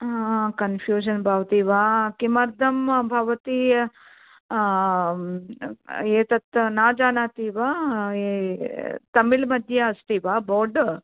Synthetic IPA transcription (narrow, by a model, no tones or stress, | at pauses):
kɐnpʰjuːʃɐnbʱaːʋt̪iːʋaːkimɐɾd̪ʱɐmbʱɐʋɐt̪i | eːt̪ɐt̪naːd͡ʒaːnaːt̪iːʋaː | t̪ɐmilmɐd̪ʱjɐɦɐst̪iːʋaːboːɖ